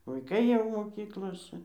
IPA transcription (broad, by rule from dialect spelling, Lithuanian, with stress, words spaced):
ʋɐɪˈkɐɪ jɛʊ moːˈkʲiːklˠoːsʲɛ